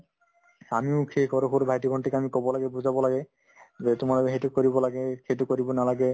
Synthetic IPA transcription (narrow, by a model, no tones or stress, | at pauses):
amiokʰekɔɾokoɾbʱajtiɡʱɔɳʈʰekeamikɔbolaɡebud͡ʑʱabɔlaɡe | d͡ʑet̪ʊmaɾaeɦetukoɾibɔlaɡekʰetukoɾibɔnalaɡe